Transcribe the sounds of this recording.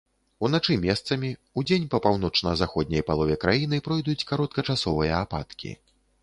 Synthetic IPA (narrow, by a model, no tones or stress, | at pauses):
unat͡ʂɨmʲɛst̪sɐmʲiud͡zʲenʲpɐpawn̪ɔt͡ʂnɐzaxɔd̪̚ʲnʲɐjpalˠɔvʲɛkɾajinɨpɾɔjd̪ut͡sʲkaɾɔt̪̚kɐt͡ʂasɔvɨjɐːpa̰t̪kʲḭ